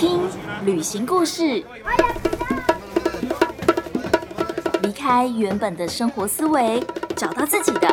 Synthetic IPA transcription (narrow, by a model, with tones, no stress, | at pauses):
i˥ŋly˨˩ɕi˧˥ŋku˥˧ʂɻ̩˥˩ | li˧˥kʰa˥ɪɥɛ˧˥npə˨˩nd̪ə˦ʂɤ˥ŋxwɔ˧˥sɹ̩˥we˧˥ɪʈ͡ʂɑ˨˩ʊt̪ɑ˥˧ʊt͡sɹ̩˥˩t͡ɕi˨˩d̪ə˦